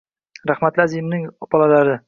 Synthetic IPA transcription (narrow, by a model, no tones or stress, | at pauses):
ɾaχmat̪lɪazijmnɪŋb̥ɒlˠalaɾɪ